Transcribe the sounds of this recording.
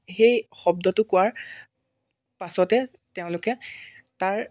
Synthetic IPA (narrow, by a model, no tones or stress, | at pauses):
xejxɔb̚dɔtʊkʊwaɹ | pasɔtɛ | teʊ̃lʊkɛtaɹ